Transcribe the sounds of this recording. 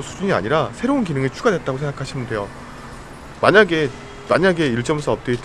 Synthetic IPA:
sʰud͡ʑuɲia̰ɲiɾasʰe̞ɾounkinɯŋet͡ɕʰuɡade̞t̚t͈aɡosʰeŋɡakʰaɕʰimɯnde̞jo | maɲaɡe̞ | maɲaɡe̞iɭt͡ɕ͈ʌmsʰʌʌp̚t͈et

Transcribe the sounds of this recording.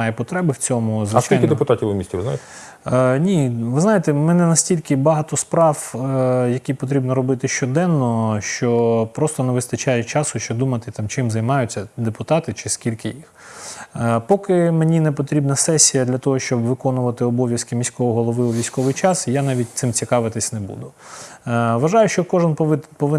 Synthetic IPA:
ɑjɛpɔt̪ɾɛbɪwt͡sʲɔmʊzʋst͡ʃkiljnkɪd̪epʊt̪ɑtʲiwʊmʲisʲtʲiʋɪzna̰jt̪ | nʲiʋɪzɑjet̪ɛmɛnɛnɐsʲtʲilʲkɪbɐɦɑt̪ɔspɾɑwjɐkʲipɔt̪̬ɾʲibnɔɾɔbɪt̪ɪʃt͡ʃɔd̪ɛnːɔʃt͡ʃɔpɾɔst̪ɔnɛʋɪst̪ɐt͡ʃɑjɛt͡ʃɑsʊʃt͡ʃɔd̪umɐt̪ɪt̪ɑmt͡ʃɪmzɐjmɑjʊt͡sʲːɐd̪epʊt̪ɑt̪ɪt͡ʃɪskʲilʲkɪjix | pɔkɪmenʲinɛpɔt̪ɾʲibnɐsɛsʲijɐd̪lʲɐt̪ɔɦɔʃt͡ʃɔbʋɪkɔnʊʋɐt̪ɪɔbɔʋʲjɐskɪmʲisʲkɔʋɔɦɔlˠɔʋɪʊʋʲisʲkɔʋɪjt͡ʃɑsijanɑʋʲit̚ʲt̪sɪmt͡sʲikɑʋɪt̪ɪsʲnebṵd̪ʊ | ʋɐʒɑjʊʃt͡ʃɔkɔʒɪnpɪpɔʋɪ

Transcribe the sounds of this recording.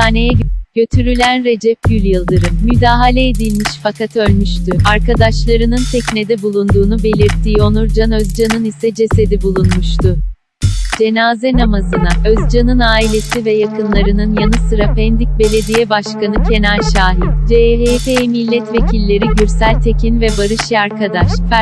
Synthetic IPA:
aːne̞jɛɟ̥ø̞t̪ʰyɾylʲænɾe̞d͡ʒɛp̚ɟylʲjɯlˠd̪ɯɾɯmmyd̪aːɦalʲɛed̪ilʲmiʃfakat̪ʰɯølʲmyʃt̪ʰyaɾkad̪aʃlˠaɾɯnɯnt̪ʰɛcne̞d̪ɛbulˠuːnd̪uːnube̞lʲiɾt̪ʰːiːo̞nuɾd͡ʒanøzd͡ʒanɯnisɛd͡ʒe̞se̞d̪ibulˠunmuʃt̪ʊ | d͡ʒe̞naːzɛnamazɯnaʔøzd͡ʒanɯnaːilʲe̞sivɛjakʰɯnlˠaɾɯnɯnjanɯsɯɾapɛnd̪ic̚be̞lʲe̞d̪ijɛbaʃkanɯcʰe̞næɾʃaːɦit̪d͡ʒeɦepeimilʲːɛt̪ve̞cʰilʲːe̞ɾiɟyɾsælʲt̪ʰe̞cʰinvɛbaɾɯʃiaɾkʰad̪aʃ

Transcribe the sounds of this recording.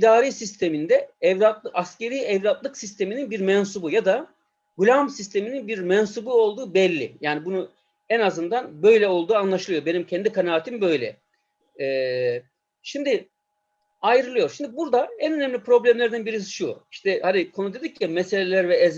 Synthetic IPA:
id̪aːɾisist̪ʰe̞mind̪ɛɛvlat̪ˠɯʔasce̞ɾijɛvlʲat̪lˠɯksist̪ʰe̞mininbiɾmɛnsubujad̪a | ɡulʲamsist̪ʰe̞mininbiɾmɛnsubuo̞lˠd̪uːbɛlʲːḭjaːnibunu | ɛnazɯnd̪anbø̞jlʲɛo̞lˠd̪uːanlˠaʃɯlˠɯjo̞be̞nimcʰɛnd̪ikʰanaat̪ʰimbø̞jlʲɛ̰ | ɛː | ʃimd̪ɪ | ajɾɯlˠɯjo̞ɾʃimd̪ibuɾd̪aɛnø̞nɛmlʲipɾo̞blʲæmlʲɛɾd̪ænbiɾis̬i̥ʃuiʃt̪ʰɛhad̪ikʰo̞nud̪e̞d̪ic̚ʰːimɛse̞lʲelʲæɾvɛɛz

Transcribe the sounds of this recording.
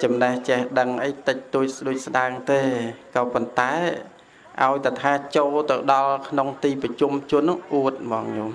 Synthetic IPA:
t͡ɕɑmnəht͡ɕɛhɗəŋʔəjt̪ɨc̚t̪uəc̚sɗuəc̚sɗaəŋt̪eːkɑːpont̪aɛ | ʔa̰ɔjt̪at̪ʰaːt͡ɕoːlt̪ɨwɗɑlkʰnoŋt̪iːprɑt͡ɕumt͡ɕuənːɨŋʔuət̪̚mɑːŋɲoːm

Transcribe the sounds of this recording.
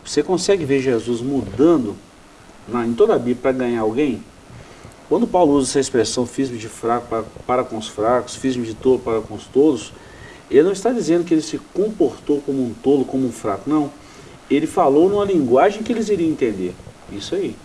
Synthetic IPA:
vosekõsɛɡɪveɾʒezuzmud̪ɐ̃nd̪ʊ | nɐẽj̃t̪od̪abiblɐpɾɐɡɐ̃ɲaɾawɡẽj̃ | kwɐ̃nd̪ʊpawlʊuzɛsɐɪspɾesɐ̃w̃fezmɪd͡ʒɪfɾakʊpaɾpaɾɐkõʊsfɾakʊ̥sfizmɪd͡ʒɪt̪olʊpaɾɐkõʊst̪od̪ʊs | elɪnɐ̃w̃ist̪ad͡ʒizẽnd̪ʊkɪelɪsɪkõpoɾt̪owkõmʊũt̪olʊkõmʊũfɾakʊnɐ̃w̃ | elɪfalownũmɐlĩɡwaʒẽj̃kɪelɪziɾiɐ̃ẽnt̪ẽnd̪eɾ | isʊai

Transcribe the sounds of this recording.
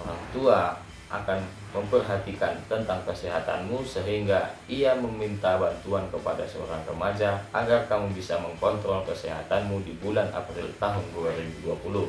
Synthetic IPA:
oɾaŋt̪ua | ʔa̰kan | məmpərɦat̪ikant̪ənt̪aŋkəsɛɦat̪a̰nmusəɦiŋɡaiaməmint̪abant̪uankəpada̰səo̰ɾaŋrəmad͡ʒaʔaɡarkamubisaməŋkɔnt̪ɾɔlkəsɛɦat̪anmudibulanʔa̰pɾḭlt̪aɦʊnduaɾibuduapulu

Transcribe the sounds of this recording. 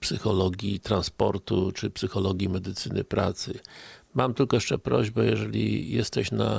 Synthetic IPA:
psɘxɔlɔɡʲjit̪ɾanspɔɾt̪ut͡ʂɘpsɘxɔlɔɡʲimɛd̪ɘt̪sɘnʔɘ̰pɾat̪sɘmamt̪ɘlkɔjɛʂt͡ʂɛpɾɔʑbɛjɛʐɛlʲḭjɛst̪ɛɕna

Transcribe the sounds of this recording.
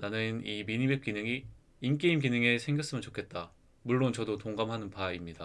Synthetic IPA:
nanɯnimiɲibep̚k͈inɯŋi | ink͈eimɡinɯŋe̞sʰe̞ŋɡjʌs͈ɯmɯnt͡ɕokʰe̞t̚t͈a | muɭːont͡ɕʌdotoŋɡamɦanɯnpaimɲida

